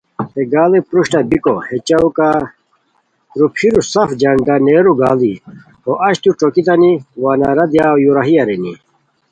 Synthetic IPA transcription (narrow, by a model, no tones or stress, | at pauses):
t̪eɡaːlepɾuɕʈɐbikohet͡ɕɐuka | ɾupʰiɾusɐfd͡ʑɐɳɖɐneːɾuɡaːli | oʔɐɕt̪uʈ͡ʂokit̪ɐniwaːnɐɾɐd̪jaːjuɾɐɦijɐɾeni